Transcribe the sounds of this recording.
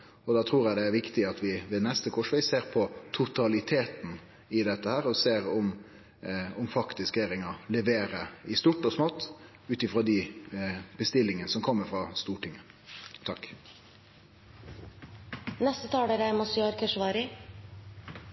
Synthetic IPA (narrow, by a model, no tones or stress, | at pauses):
ɔd̪ɑːt̪ʰɾuːɾjæɪd̪ɛæɾʋɪkt̪ɪɑt̪ʰʋɪʋeːnɛst̪əkʰɔʂʋæɪseːɾpʰɔt̪ʰʊt̪ʰɑlɪt̪ʰeːt̪n̩ | ɪd̪ɛt̪ːəhæːɾɔseːɾɔm | ɔmfɑkt̪ɪskeːɾɪŋɑlɛʋeːɾəɪst̪uːʈːɔsmoːt̪ː | ʉːt̪ɪfɾɑːd̪ɪ | b̥əst̪ɪlːɪŋənəsɔmkʰɔmːəɾfɾʁɑst̪uːʈɪŋːə | t̪ʰɑk | nɛst̪ət̪ʰɑːɖəɾæmɔsɪɑɾkəʂʋɑːɾɪ